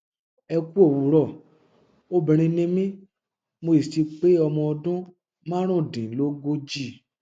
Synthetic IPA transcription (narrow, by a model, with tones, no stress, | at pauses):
ɛ˧ku˦o˦˨wu˨ɾɔ˦˨ | o˦bĩ˨ɾ̃ĩ˧nĩ˦mĩ˦ | mo˧i˨ti˧k͡pe˦ɔ˧mɔ̃˧ɔ˧dũ˦ | mã˦ɾ̃ũ˦˨dĩ˨lo˦ɡo˦d͡ʒi˦˨